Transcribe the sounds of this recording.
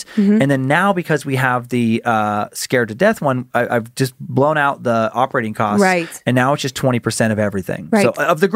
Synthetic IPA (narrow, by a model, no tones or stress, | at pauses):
ɨ̃nðɨ̃nːaʊbɨkʰʌzwiəvðɨʌskɛɹd̚ɾɨdɛθwʌ̃naɪʔa̰ɪvd͡ʒʌsblõʊ̃ñaʊt̪̚ðiɑpə˞eɪɾɪ̃ŋkʰɔsɪɨ̃nːaʊətsd̥ʒʌstʰw̥ɛ̃ɾ̃ipʰə˞sɛ̃ɾ̃ʌvɛvɹiθɪ̰̃ŋsoʊʌvðɨɡ